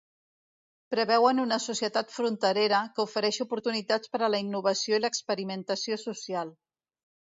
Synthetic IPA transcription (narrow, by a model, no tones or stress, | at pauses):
pɾəβɛwənunəsusjət̪at̪fɾunt̪əɾeɾəkəufəɾɛʃupuɾt̪unit̪at͡spəɾələinːuβ̞əsioiləkspəɾimənt̪əsiosusialˠ